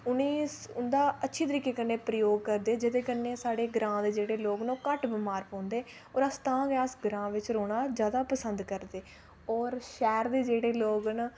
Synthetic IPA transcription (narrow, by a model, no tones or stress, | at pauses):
ʊniːsʊnd̪aːətːʃʰiːt̪əɾiːkeːkənːeːpɾəjoːɡ̚kəɾd̪eːd͡ʒəd̪eːkənːeːsaːɽeːɡɾãːd̪eːd͡ʒeːɽeːloːɡnõːkəʈbəmaːɾpɔ̃ːnd̪eː | ɔːɾəst̪ãːɡaːsɡəɾãːʋɪt͡ʃɾoːɽ̃aːd͡ʒjaːd̪aːpəsənd̪kəɾd̪eː | ɔːɾʃɛːɾd̪eːd͡ʒeːɽeːloːɡn